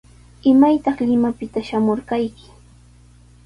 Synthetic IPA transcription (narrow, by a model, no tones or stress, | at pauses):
ɪmajt̪ɑχlɪmapɪt̪aʃamoɾkajkɪ̥